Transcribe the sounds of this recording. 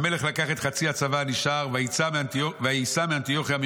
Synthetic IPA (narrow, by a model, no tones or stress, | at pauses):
me̞le̞χlakaχe̞t̪χat͡siat͡savaniʃaʁvait͡samoveaisamiant̪ijo̞χiami